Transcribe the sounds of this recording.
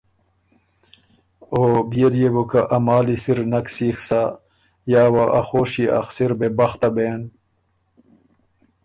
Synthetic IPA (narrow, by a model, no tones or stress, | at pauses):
obijeljebukaʔɐmaːlisiɾnɐksiːxsa | jaːwaʔaxoːɕiɐ̰xsiɾbebɐxt̪abeːn